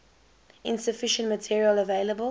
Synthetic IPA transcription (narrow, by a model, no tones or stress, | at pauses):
ɪ̃nsəfɪʃə̃ntmətʰiɹiələveɪləbə